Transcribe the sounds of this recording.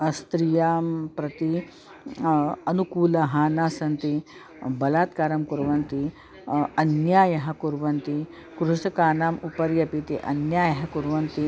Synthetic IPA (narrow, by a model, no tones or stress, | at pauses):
st̪ɾijaːmpɾɐt̪i | ɐnukuːlɐɦaːnaːsɐnt̪i | bɐlaːt̪kaːɾɐmkuɾʋɐnt̪i | ɐnjaːjɐɦɐkuɾʋɐnt̪i | kɾuʂɐkaːnaːmupɐɾjɐpit̪iʔɐ̰njaːjɐɦɐkuɾʋɐnt̪i